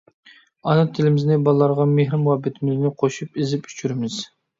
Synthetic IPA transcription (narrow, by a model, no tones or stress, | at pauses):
ɑnɑt̪ʰɪlɪmɪznɪbɑlˠəlˠɑɾʁɑmehɾɪmwɑbɪt̪ʰɪmɪznɪqʰoʃupizɪpy̥t͡ʃʰyɾɪmɪz̥